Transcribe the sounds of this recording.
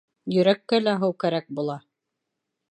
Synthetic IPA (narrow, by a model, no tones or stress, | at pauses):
jɵ̆ɾækːælæɦɤwkæɾæk̚bulˠɑ